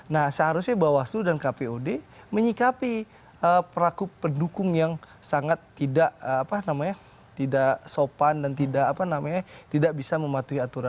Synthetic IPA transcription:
nahsəɦaɾʊsɲabawasudankapeodeməɲikapi | əpəɾakʊpːəndukʊŋjaŋsaŋat̪ːidaʔəapanamaɲa | t̪idaʔsopandant̪idaʔapanamaɲat̪idaʔbisaməmat̪uiat̪uɾa

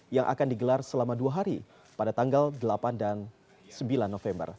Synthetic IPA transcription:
jaŋʔa̰kandiɡəlarsəlamaduaɦaɾi | padat̪aŋɡaldəlapandan | səmbilanːofɛmbə̰r

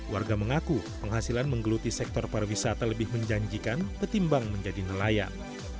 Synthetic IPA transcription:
warɡaməŋakupəŋɦasilanməŋɡəlut̪isɛk̚t̪ɔrparwisat̪aləbɪhməɲd͡ʒaɲd͡ʒikanbərt̪imbaŋməɲd͡ʒadinəlaja̰n

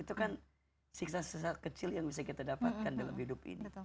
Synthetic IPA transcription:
it̪ukan | siksasəsakət͡ʃɪljaŋbisakit̪adapat̪̚kandalamhidʊpḭni

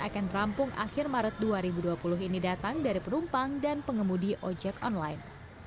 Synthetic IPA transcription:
akanrampʊŋʔa̰xɪrmaɾət̪̚duaɾibuduapulʊɦinidat̪aŋdaɾipənumpaŋdanpəŋəmudiʔɔd͡ʒɛkɔnlajn

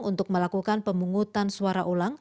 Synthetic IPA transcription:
ŋunt̪ʊk̚məlakukanpəmbuŋut̪ansuaɾaʔolaŋ

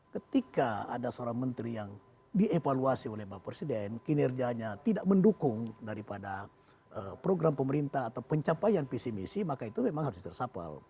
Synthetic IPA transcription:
kət̪ikaa̰dasəoɾaŋmənt̪ɾijaŋ | dievaluasiolɛhbapːɾesidɛnkinɛrɡiaɲat̪idaʔ̚məndukʊŋdaɾipada | əpɾoɡɾampəməɾint̪ahat̪awpəɲt͡ʃapajanpisimisimakait̪umemaŋɦaɾʊst̪ərsapa̰l

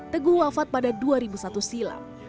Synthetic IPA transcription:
t̪əɡuwafat̪̚padaduaɾibusat̪usila̰

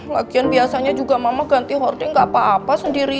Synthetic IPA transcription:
laɡianbiasaɲad͡ʒuɡamamaɡant̪iɦɔrdɪŋɡapaːpasəndiɾi

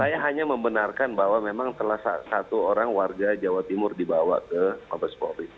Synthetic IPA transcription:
sajaɦaɲaməmbənarkanbaɦwamemaŋt̪əlahsa̰sat̪uoɾaŋwarɡad͡ʒawat̪imʊrdibawa̰kəmabaspoɾi

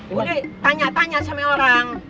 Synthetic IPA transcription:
udet̪aɲat̪aɲasameoɾaŋ

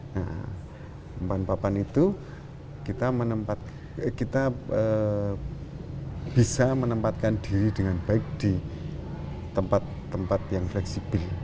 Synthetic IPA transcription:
na̰ | mpanpapanit̪u | kit̪amənəmpat̪̚ | kit̪aə | b̥isamənəmpat̪̚kand̥iɾid̥əŋanbaɪk̚d̪̥i | t̪əmpat̪ːəmpat̪jaŋflɛksib̥əl

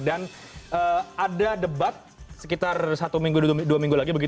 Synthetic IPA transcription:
dan | ʔəadadəbat̪̚səkit̪arsat̪umiŋɡuduamiŋɡulaɡibəɡit̪

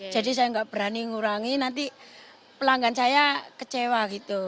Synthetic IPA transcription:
d͡ʒ̥a̤dis̬ajaŋɡaʔb̥əɾaniŋuɾaŋinant̪i | pəlaŋɡansajakət͡ʃewaɡit̪u

